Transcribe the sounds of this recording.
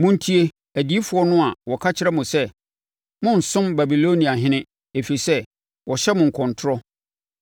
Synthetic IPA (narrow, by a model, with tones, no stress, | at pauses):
mʊ̃˦n̩˦tʰi˦e˦ | æ˨di˨˦i˦fʊ˨˦ɔ˦nʊ̃˦a˨wɔ˨kʰa˦t͡ɕʰɪ˦ɾɛ˦mʊ̃˨sɛ˦ | mʊ̃˦n̩˨sʊ̃˦mba˨bi˨lo˦nĩ˨a˨ɦɪ̃˦nɪ̃˦ | e˨fi˨i˨sɛ˦ | wʔɔ˨ɕɛ˦mʊ̃˨ŋ̩˨kʰɔ̃˨ntʰʊ˦ɾɔ˦